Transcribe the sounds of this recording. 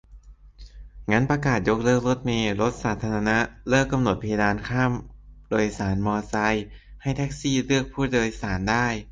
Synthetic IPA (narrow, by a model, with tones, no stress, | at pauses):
ŋa˦˥npɾa˧kaː˨˩t̪̚jo˦˥k̚lɤː˥˩k̚lo˦˥t̪̚meː˧lo˦˥t̪̚saː˩˦t̪ʰːaː˧ɾa˧na˦˥lɤː˥˩kːa˧mno˨˩t̪̚pʰa˧ja˧daː˧nkʰaː˥˩mdoː˧jsaː˩˦nmɔː˧sa˧jha˥˩jt̪ʰɛ˦˥k̚siː˥˩lɯ˥˩ək̚pʰuː˥˩doː˧jsaː˩˦ndaː˥˩j